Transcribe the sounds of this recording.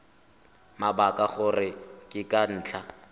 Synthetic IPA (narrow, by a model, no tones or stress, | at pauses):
mabakʼaχʊrɪkʼɪkʼan̩ːt͡ɬʰa